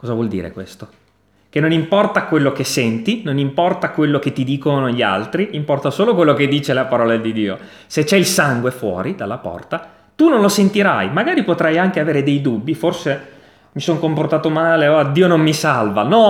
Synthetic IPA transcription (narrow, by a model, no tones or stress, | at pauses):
kɔːzavwɔld̪ḭːɾḛkwḛst̪o | kenːonimpɔrt̪akwelːok̟esːɛnt̪inonimpɔrt̪akwelːoket̪ːid̪iːkonoʎia̰lt̪ɾiʔimpɔrt̪asoːlokwelːoked̪ːiːt͡ʃelapaɾɔːlad̪id̪iːo̰ | set͡ʃːɛilsaŋɡwefwɔ̰ːɾid̪alːapɔ̰rt̪a | t̪unonlosent̪iɾajmaɡaːɾipot̪ɾajaŋkeaveːɾed̪ejd̪ubːiforse | misoŋkomport̪aːt̪omaːleoad̪ːiːonomːisalvanɔ